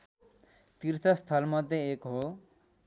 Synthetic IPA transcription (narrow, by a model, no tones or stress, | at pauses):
t̪irt̪ʰʌst̪ʰʌlmʌd̪jeekɦo